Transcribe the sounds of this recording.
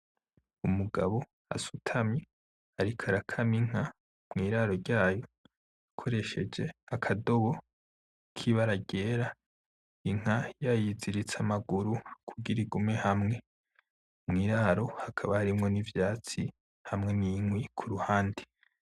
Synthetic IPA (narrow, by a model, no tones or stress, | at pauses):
umuɡa̰βo̞ | a̰su̥tʰamɲi | haɾikʰaɾakʰamiŋ̥a | mŋiːɾaɾo̞ɾɟaːjo̞ | akʰo̞ɾe̞ʃe̞d͡ʒe̞akʰado̞βo̞ | kʰiβaɾaɡeːɾa | iŋ̥ajajiziɾit͡samaɡuɾukʰuɡiɾiɡume̞hamŋe̞ | mŋiːɾaɾo̞hakʰaβahaɾimŋo̞nivjaːt͡si | hamŋe̞niŋwikʰuɾuhaːndi̥